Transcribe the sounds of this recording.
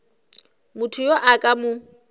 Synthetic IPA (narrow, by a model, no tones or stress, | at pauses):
mʊtʰujoʔakʼamʊ